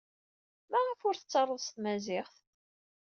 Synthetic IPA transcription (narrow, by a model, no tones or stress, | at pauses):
mæʁəfʊɾθət͡sːɑrˤːəðˤst̪mæzɪχθ